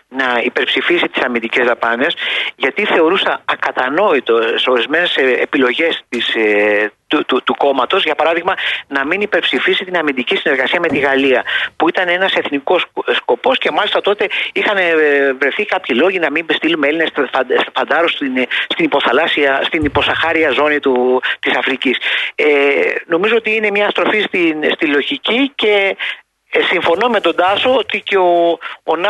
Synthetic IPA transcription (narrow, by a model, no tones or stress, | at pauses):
nɐipe̞ɾpsifisit̪i̥sɐmind̪ice̞zðɐpɐne̞sʝɐt̪iθe̞o̞ɾusɐɐkɐt̪ɐno̞it̪o̞so̞ɾizme̞ne̞sepilo̞ʝe̞st̪is | t̪ut̪ut̪uko̞mɐt̪o̞zʝɐpɐɾɐðiɣmɐnɐminipe̞ɾpsifisit̪inɐmind̪icisine̞ɾɣɐsiɐme̞t̪iɣɐliɐpuit̪ɐne̞nɐse̞θniko̞ssko̞po̞sce̞mɐlist̪ɐt̪o̞t̪e̞ixɐnvɾe̞θikɐpçilo̞ʝinɐmimbst̪ilumeelinesfɐsfɐnd̪ɐɾosinst̪inipo̞θɐlɐsiɐst̪inipo̞sɐxɐɾiɐzo̞nit̪ut̪isɐfɾiciseno̞mizo̞ot̪iine̞mɲɐːst̪ɾo̞fist̪inst̪ilo̞ʝicice̞ | siɱfo̞no̞me̞t̪o̞d̪ɐso̞ot̪iceoːnɐ